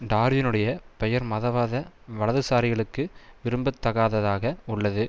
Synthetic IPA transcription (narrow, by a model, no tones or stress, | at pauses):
ɖaːɾʋɪnɯɽɐjɐpɛjɐɾmɐðɐʋaːðɐ | ʋɐɭɐðɯsaːɾɪɣɐɭɯkːɯʋɪɾɯmbɯt̪ːɐɣaːðɐðaːɣɐʊɭːɐðɯ